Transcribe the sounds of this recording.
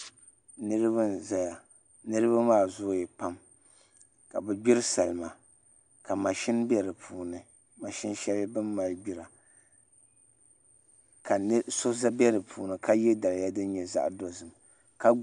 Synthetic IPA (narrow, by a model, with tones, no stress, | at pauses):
nɨ˦ɾɨ˦ba˦za˨ja˨ | nɨ˦ɾɨ˦βa˦maː˦zʊ˦jɛ˨pa˦m | ka˨bɨ˨ɡ͡bi˦ɾɨ˦sa˨lɨ˨ma˨ | ka˨ma˨ʃɪ˦nbɛ˦ɾɨ˨pʰuː˨nɨ˨ | ma˨ʃi˦n˦ʃɛ˦lbɨ˦mːa˨lɡ͡bi˦˨ɾa˨ | ka˨n˦so˦za˦bɛ˦ɾɨ˨pʰuː˨nɨ˨ka˦jɛ˦da˨la˨ja˦dɨ˦n˦ɲɛ˨za̰˦ʔdo˨zɨ˨m | ka˦